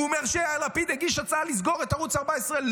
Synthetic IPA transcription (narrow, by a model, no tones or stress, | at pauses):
meʁʃeaalapid̪eɡiʃat͡saaliz̬ɡo̞ʁet̪aʁut͡saʁbaesʁel